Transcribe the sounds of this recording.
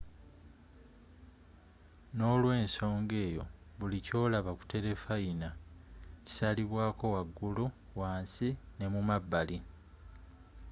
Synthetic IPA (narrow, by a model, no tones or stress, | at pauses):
no̞ːlwe̞ːnso̞ːŋɡe̞ːjo̞̰βulico̞ːlaβaku̥te̞le̞faina | ci̥saliβwaːko̞waɡːuluwaːnsine̞mumabːali